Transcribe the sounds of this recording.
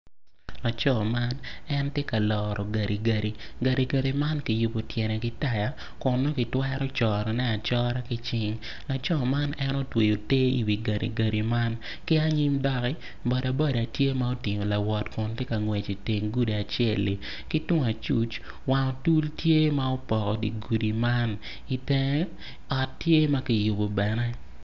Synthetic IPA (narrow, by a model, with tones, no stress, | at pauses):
la˨t͡ʃɔ˦ma˦nɛ˦ntje˦ka˨lɔ˨ɾɔ˨ɡa˨ɾi˨ɡa˨ɾi˨ɡa˨ɾi˨ɡa˨ɾi˨ma˦nkɪ˨˦jʊ˨po˨tjɛ˨nɛ˨kɪ˦ta˦ja˨ | kʊ˨nːo˦kɪ˨twɛ˦ɾɔ˦t͡ʃɔ˨ɾɔ˨nɛ˦a˨t͡ʃɔ˦ɾa˦kɪ˦t͡ʃɪ˦ŋ | la˨t͡ʃɔ˦ma˦nɛ˦no˦twe˨jo˨te˦ḭ˨wi˨ɡa˨ɾḭ˨ɡa˨ɾi˨ma˦n | kɪ˦a˦ɲi˦mdɔ˦kɪ˦ | bɔ˨da˨bɔ˦da˨tje˦ma˦o˦tɪ˨ŋo˨la˨wɔ˨tkʊ˨nte˦ka˨ŋwe˨t͡ʃi˨te˨ŋɡu˦di˨a˨t͡ʃɛ˦˨li˨ | ki˦tʊ˦ŋ˨a˨t͡ʃu˦t͡ʃ | wa˨ŋɔ˨tu˦ltje˦ma˦o˦pɔ˨kɔ˨ɡḭ˨ɡu˨di˨ma˦n | i˨tɛ˦ŋ | ɔ˨tːje˦ma˦ki˨jʊ˨bo˨bɛ˨nɛ˦